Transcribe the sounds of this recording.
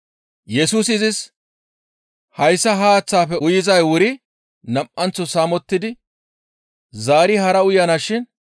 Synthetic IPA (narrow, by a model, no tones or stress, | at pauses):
jɛsuːs̬ɪzɪs | hɐjsːɐɦaːɐt͡sːaːfɛʊjɪzɐjwʊɾɪ | nɐmʔɐnt͡sːɔsaːmɔt̪ːɪd̪ɪ | zaːɾɪhɐɾɐʊjɐnaʃɪn